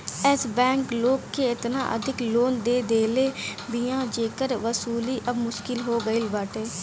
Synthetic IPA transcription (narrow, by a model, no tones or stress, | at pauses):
ɛsbɛ̃ːŋkloːkːeːɪt̪na̰ːʔə̰d̪ʱɪkloːnd̪eːd̪eːleːbiːãːd͡ʒeːkəɾʋəsuːliːʔəbmʊʃkɪlɦoːɡəɪlʋəʈeː